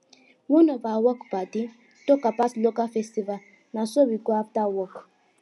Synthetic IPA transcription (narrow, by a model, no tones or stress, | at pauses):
wunɔvawɔkbadi | tokapaslokafɛstival | nasobiɡoaptawɔk